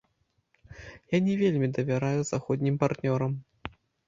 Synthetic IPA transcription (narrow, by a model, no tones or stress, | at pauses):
janʲɛvʲelʲmʲid̪ɐvʲaɾajuzaxɔd̪ʲnʲimpart̪nʲɔɾɐm